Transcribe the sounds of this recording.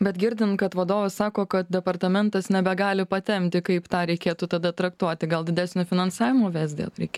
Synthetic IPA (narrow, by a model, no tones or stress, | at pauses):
bʲɛt̪ɡʲɪɾʲd̪ʲɪnkɐt̪ʋɐd̪oːʋɐssɑːkoːkɐt̪̚d̪ʲɛpɐɾt̪ɐmʲɛnt̪ɐsnʲɛbʲɛɡɑːlʲɪpɐt̪ʲɛmʲt̪ʲɪkɐɪpt̪ɑːɾʲɛɪkʲeːt̪ut̪ɐd̪ɐt̪ɾɐkt̪uɔt̪ʲɪɡɐlˠd̪ʲɪd̪ʲæsʲnʲofʲɪnɐnsɑːʋʲɪmoːʋʲɛzʲd̪ʲḛːlˠɾʲɛɪkʲ